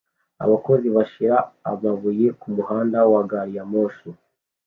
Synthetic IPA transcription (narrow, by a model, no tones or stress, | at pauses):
a̰βako̞ziβaʃiɾaːβaβuje̞kumuhaːndawaɡaːɾijamoːsu